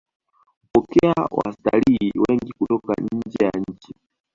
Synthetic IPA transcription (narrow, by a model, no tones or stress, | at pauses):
kupɔkɛawa̰staliːwɛŋɡikutɔka̰ɲ̩d͡ʒɛja̰ɲ̩t͡ʃi